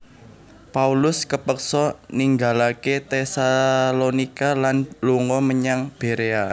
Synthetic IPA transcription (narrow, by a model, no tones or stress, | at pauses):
paulʊskəpəksɔniŋɡalaket̪esalonikalanluŋɔməɲaŋb̥e̤ɾea